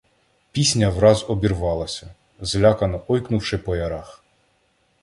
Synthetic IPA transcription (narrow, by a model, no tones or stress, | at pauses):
pʲisʲnʲɐwɾɑzɔbʲirʋɑlˠɐsʲɐ | zlʲɑkɐnɔʔɔjknʊwʃɪpɔjɐɾɑx